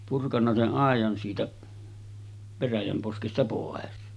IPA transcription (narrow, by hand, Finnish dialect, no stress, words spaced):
purkɑnːɑ seʔ ʔɑˑejɑn siːtæ ʋeræjæm poskestɑ poˑes